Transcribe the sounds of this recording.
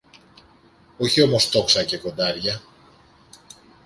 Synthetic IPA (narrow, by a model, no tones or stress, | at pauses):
o̞çio̞mo̞st̪o̞ksɐce̞ko̞nd̪ɐɾʝɐ